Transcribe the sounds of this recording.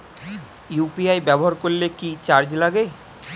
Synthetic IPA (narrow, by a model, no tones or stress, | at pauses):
jupiajbɛboɦaɾkoɾlekit͡ɕaɾd͡ʑlaɡe